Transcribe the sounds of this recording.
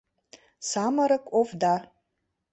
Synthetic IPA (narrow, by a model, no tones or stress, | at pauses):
samaɾakʷʼofda